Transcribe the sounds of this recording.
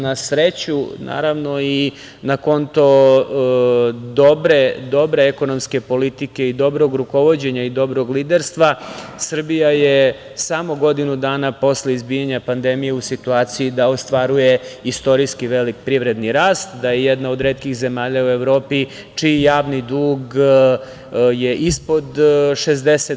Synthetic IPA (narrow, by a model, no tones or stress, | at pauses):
nasɾet͡ɕuna̰ːɾaʋno̞i | nako̞nt̪o̞ | d̪obɾed̪o̞bɾe̞eko̞no̞mske̞po̞lit̪ike̞id̪o̞bɾo̞ɡɾuko̞ʋo̞d͡ʑe̞ɲaid̪o̞bɾo̞ɡlid̪eɾst̪ʋasr̩bijaje | samo̞ɡo̞d̪inud̪aːnapo̞sleizbiːjaɲapand̪emije̞usit̪uaːt̪sijid̪aost̪ʋaɾuje̞ist̪o̞ɾiskiʋe̞lik̚pɾiʋɾe̞d̪niɾaːst̪d̪ajejɛd̪nao̞d̪ɾeːt̪kixze̞maːʎaue̞ʋɾo̞ːpi | t͡ʂijaːʋnid̪uːɡ | je̞ʔispo̞d̪ʃezd̪ese